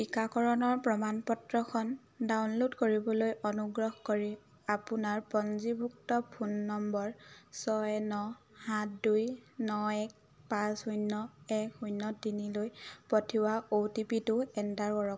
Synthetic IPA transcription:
pikakʰɔɹɔnɔɹpɹɔmanpɔtɹɔkʰɔn | dawnlodkoɹibɔlojʔɔnuɡɹɔhkoɹi | apunaɹpɔnzibʱuktɔpʰunːɔmbɔɹsɔjnɔ | hatdujnɔɛk̚ | pãsujnːɔɛkhujnːɔdinilojpɔtʰiwaotipitʊɛndaɹkɔɹɔ

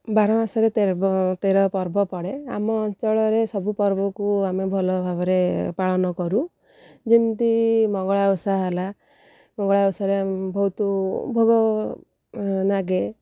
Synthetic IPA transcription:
baɾɔmasɔɾet̪et̪eɾɔpɔɾbɔpɔɽea̰mɔːnt͡ʃɔɭɔɾesɔbupɔɾbɔkuamebʱɔlɔbʱabɔɾepaɭɔnɔkɔɾu | d͡ʒint̪imɔɡɔɭaɔsaɦala | mɔɡɔɭawsaɾebɔɦut̪ɔbʱɔɡɔ | naɡe

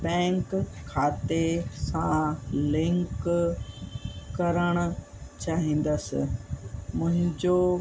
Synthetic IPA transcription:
bɛ̃ːŋkʰːaːt̪esãlɪ̃ŋk | kɐɾəɽ̃ʊ̆ | t͡ɕaːɦĩːn̆d̪əsɪ̰̆mʊ̃ɦɪ̃ɲd͡ʑo

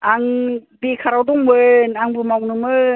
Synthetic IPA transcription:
aŋbekʰaɾawdɔŋbɯnaŋbɯmawnɯmɯ

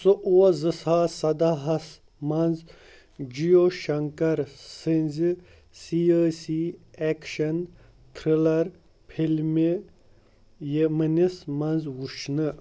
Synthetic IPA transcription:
sɨʔuwɐzɨsaːsɐd̪aɦɐs | mɐnz | d͡ʒijoʃɐŋkɐɾsinʲzi | siɐːsiekʃɐn | t̪ʰɾilɐɾ | pʰilmi | jemɐnismɐnzwuʃnɨ

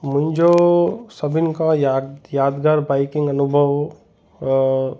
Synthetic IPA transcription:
mʊ̃ɪ̃nd͡ʒosəbinkajjaːd̪ɡaːɾbaːɪkɪ̃ŋɡɐnubʱəʋ

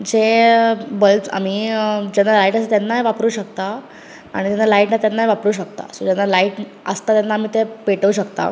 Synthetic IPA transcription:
d͡ʑe | bəlʈa̰m̤iːd͡ʑɛnːalaiʈəs̬ət̪janːaʋapɾuːɕək̚t̪a | a̰ɽit̪anːalaiʈnat̪janːajʋapɾuːɕ̬əkt̪a̰sod͡ʑɛnːalaiːʈ | əst̪at̪janːaːm̤iːt̪epeʈəuɕəkt̪a̰

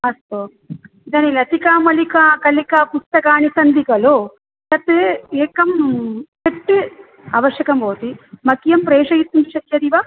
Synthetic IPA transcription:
ɐst̪o | d̪ɐnilɐt̪ikaːmɐlikaːkɐlikaːpust̪ɐkaːnisɐnd̪ikɐlo | sɐt̪eeːkɐmt͡ʃepʈːi | ɐ̰ʋɐʃjɐkɐmboːt̪imɐkijɐmpɾɛːʂɐjit̪ːunt͡ʃʰɐt̪ːjɐd̪iʋaː

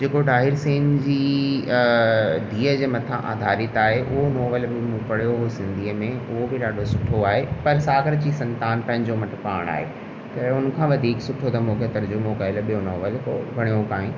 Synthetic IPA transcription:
d͡ʑeːkoɖaːɦɪɾseːnd͡ʑiː | dʱiːəd͡ʑeːmɐt̪ʰãʔa̰ːd̪ʱaːɾɪt̪aːɦeʔʊɦonɔːʋəlbɪmũpɐɽ̤ijoɦosɪ̃nd̪ʱiːəmẽʊɦobɪɗaːɖʱosʊʈʰoaːɦepɐɾsaːɡəɾd͡ʑiːsɐ̃nt̪aːnpɐ̃ɦɪ̃ɲd͡ʑomɐʈʰpa̰ːɽ̃a̰ːɦḛ | t̪ɐʊn̆kʰãʋɐd̪ʱiːksʊʈʰot̪ɐmũːkʰet̪ɐɾd͡ʑʊmokaɪlɓijonɔːʋəlko̰bʱɐɽ̃ijokaːĩ

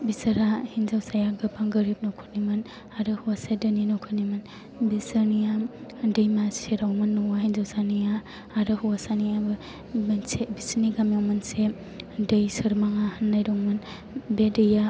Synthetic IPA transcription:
bisɐɾahinzawsajaɡɯbaŋɡəɾip̚nɔkʰuɾ̚nimɯn | aɾɯhuwasedɯninɔkʰunimɯn | bisanijadejmaseɾawmɯnːɔwaɦinzawsanija | aɾɯhuwasanijab | nsebisniɡamjawmɐnse | dəjsɯɾmaŋahanːajɾoŋmɯn | bedɯja

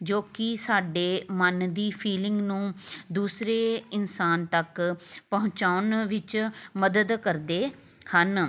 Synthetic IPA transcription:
d͡ʒoːkɪsaːɖeːmənd̪iːpʰiːlɪ̃ŋɡnũːd̪uːsɾeːɪnsaːnt̪əkpəɦʊ̃t͡ʃaːʊnʋɪt͡ʃməd̪əd̪kəɾd̪eː | hən

